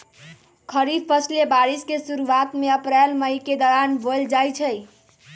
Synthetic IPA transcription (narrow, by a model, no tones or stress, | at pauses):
kʰəɾipʰəslebaɾiskesuɾuat̪meəpɾelməjked̪ɔɾanbold͡ʒajt͡ʃʰəj